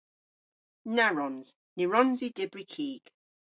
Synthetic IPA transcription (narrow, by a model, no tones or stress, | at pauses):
naɹɔnz̥ | nɪɹɔnzidɪbɹikʰiːɡ̥